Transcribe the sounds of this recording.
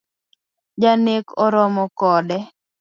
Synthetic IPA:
d͡ʒanekɔɾɔmɔkɔdɛ

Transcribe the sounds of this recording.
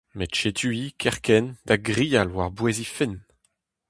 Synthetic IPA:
metʃet̪ʰyikʰɛʁkɛnd̪̥aɡʁijalwaʁbwezifɪn

